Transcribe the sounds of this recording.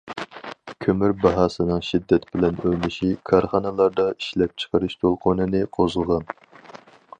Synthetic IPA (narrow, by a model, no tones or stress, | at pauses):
kʲʰømyɾbɑɦɑːsɨnɨŋʃid̪ːɛt̪b̥ɪlɛnøjlɪʃikʰɑɾχɑnɨlˠɑɾd̪ɑiʃlɛp̚t͡ʃʰə̥qəɾɨʃt̪ʰolˠqʰʊnɨnɨqʰozɨlˠʁɑn